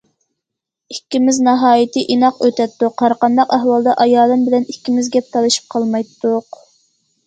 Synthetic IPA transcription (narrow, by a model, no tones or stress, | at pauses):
ikʲːimɪznɑɦɑːjit̪ʰɨʔinɑqøt̪ɛt̪ːʊqʰːɑɾqɑnd̪ɑqæɦwɑlˠd̪ɑʔɑjɑːlˠɨnbɪlɛnikʲʰːimɪzɡʲɛp̚t̪ʰɑlˠɨʃi̥p̚qʰɑlˠmɑjt̪ːʊq